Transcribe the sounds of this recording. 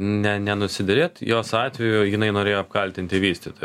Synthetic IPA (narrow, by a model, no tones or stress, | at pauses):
nʲɛnʲɛnʊsʲɪd̪ʲɛɾʲeːt̪joːsɑːt̪ʲʋʲɛjʊjɪnɐɪnoːɾʲeːjoːɐp̚kɐlʲt̪ʲɪnʲt̪ʲɪʋʲiːsʲt̪ʲit̪oj